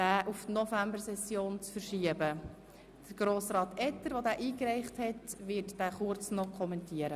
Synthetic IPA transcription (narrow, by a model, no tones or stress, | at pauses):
dæːʔuftnɔfæmbəɾsɛsjoːnt͡sfəɾʃiəbə | d̪̥əɡ̥ɾoːsɾɑːtɛt̪ːəɾʋodæːʔiːkɾɛɪχthɛtʋɪɾtd̥æːχʊɾt͡snɔkʰχɔmɛntiəɾə